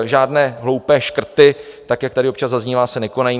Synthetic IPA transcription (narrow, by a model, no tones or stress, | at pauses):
ʒaːdnɛːɦlo̞wpɛːʃkr̩t̪ɪt̪akjakt̪adɪopt͡ʃazzazɲiːvaːsɛnɛkonajiː